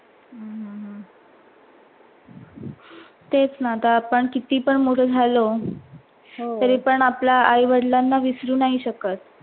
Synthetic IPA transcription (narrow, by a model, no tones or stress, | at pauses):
ɦɦ | t̪et͡snat̪apəɳkit̪iːpəɳmoʈʰəd͡zʱalo | ɦotəɾiːpəɳaplaajʋəɽlanːaʋisɾuːnaɦiɕəkət̪̚